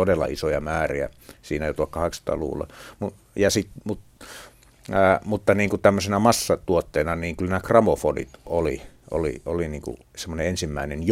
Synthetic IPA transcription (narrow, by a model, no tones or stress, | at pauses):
odelːɑ̰isojɑmæːriæ̰ | siːnæjot̪uɑkkɑheksɑ̥t̪ɑ̰lṵːlːɑ̰mu | jɑsit̪mut̪ | æːmut̪ːɑniːŋkut̪æmːøsenæmɑsːɑt̪uot̪ːeːnɑniːŋkylnæːkrɑmofodḭt̪ʔolḭʔo̰lḭoliniːŋkṵ | semːoneensimːæˑinenj